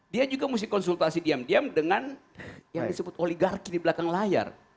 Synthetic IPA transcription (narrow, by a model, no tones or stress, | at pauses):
diad͡ʒuɡamus̬ɪhkɔnsult̪asidiamdiamdəŋan | jaŋdisəbʊt̪oliɡarkidiblakaŋlaja̰r